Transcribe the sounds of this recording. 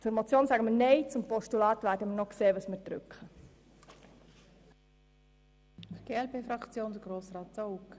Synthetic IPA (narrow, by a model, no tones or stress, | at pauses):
t͡sʊɾmɔt͡sjoːnsæɡəməneɪt͡sʊmpɔʃtulɑːtʋæːɾdəmənɔkseːʋəsməd̥̪rʏ̰kχə | ɡ̥eːɛlpeːfɾɑkt͡sjoːnd̪əɡɾoːsrɑːtt͡souk